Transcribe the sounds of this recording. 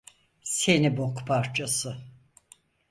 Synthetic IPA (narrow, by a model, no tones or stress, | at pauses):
se̞nibo̞kpʰaɾt͡ʃʰasɯ